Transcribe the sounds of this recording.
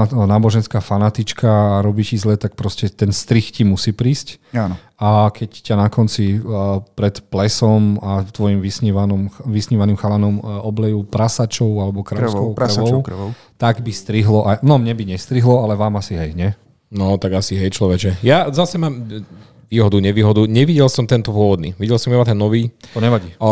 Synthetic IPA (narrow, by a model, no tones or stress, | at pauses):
naːbɔʒɛnskaːfanat̪it͡ʃkaːɾɔbicizlɛt̪ak̚pɾɔscɛt̪ɛnst̪ɾixcimusiːpɾiːscan | akʰɛccanakɔnt͡sipɾɛt̪plɛsɔmat̪ʋɔjimʋisɲiʋanɔmxʋisɲiʋanimxalanɔmɔblɛjupɾasat͡ʃɔʊalɛbɔkɾaskɔʊɾɾʋɔk | t̪aɡbist̪ɾiɦlɔʔajnɔmɲɛbiɲɛst̪ɾiɦlɔalɛʋaːmasiɦɛjɲɛ | nɔt̪aɡasiɦɛjt͡ʃlɔʋɛd͡ʒɛjazasɛmaːm | ʋiːɦɔd̪uɲɛʋiːɦɔd̪uɲɛʋiɟɛlsɔmt̪ɛnt̪ɔpʊɔʋɔd̪̚nḭːʋiɟɛlsɔmibat̪ɛnːɔʋiːt̪ɔɲɛʋaɟiː